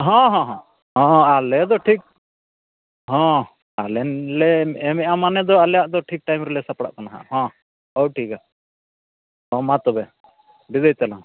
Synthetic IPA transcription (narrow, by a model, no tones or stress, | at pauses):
ɦɔ̃ɦɔ̃ɦɔ̃ | ɦɔ̃alɛd̪ɔʈʰik̚ | ɦɔ̃ | alɛnlɛɛmɛamanɛd̪ɔalɛjaʔd̪ɔʈʰik̚ʈajmɾɛlɛsapɽa̰ʔkanaɦã̰hɔ̃ | ɔwʈʰika | ɔmat̪ɔbɛ | bid̪ejt̪alaŋ